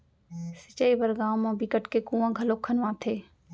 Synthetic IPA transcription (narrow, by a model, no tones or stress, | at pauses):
sɪt͡ʃəːibəɾɡaːmãːbikəʈkekũːãːɡʱəloːkʰːənʋãːt̪ʰeː